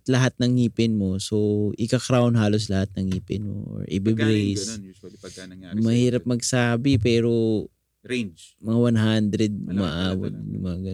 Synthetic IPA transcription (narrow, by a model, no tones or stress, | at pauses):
t̪lɐɦat̪̚nɐŋhiːpɪnmo̞soʔɪkɐkɾawʊnɦaːlo̞s̬lɐhat̪̚nɐŋhiːpɪnmo̰ʔo̰ɹʔɪbɪbɾejs | mɐhiːɾɐp̚mɐɡ̚saːbɪpɛːɾo | mɐŋawanɦand̪ɾɛd̪̚mɐʔaːwo̰t̪̚nʊmaɡɐ